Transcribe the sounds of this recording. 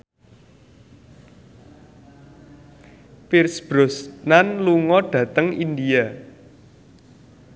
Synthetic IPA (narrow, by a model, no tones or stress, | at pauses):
pirsb̥ɾʊsnanluŋɔɖ̥ä̤t̪əŋindia